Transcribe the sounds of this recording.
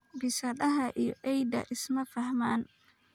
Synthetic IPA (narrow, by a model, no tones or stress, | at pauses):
bɪsɐðɐɦɐʔijɔʔɛjd̪ɐ̰ʔɪsmɐfɐhmaːn